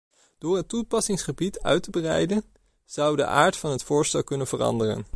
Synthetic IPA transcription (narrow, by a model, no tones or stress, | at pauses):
d̥ʊːɹɦətupɑsɪŋsχəbitœ̰ɥtəbərɛ̰jdən | z̥ɑwdə̰ʔa̰ːɹtfɑnɦətfʊːɹstɛlˠkɵnənv̥ərɑ̰ndərə̰n